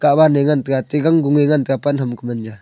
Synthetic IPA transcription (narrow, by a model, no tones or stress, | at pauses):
kabaneŋant̪ikat̪iɡaŋɡuŋeŋant̪kapanɦamkumand͡ʒa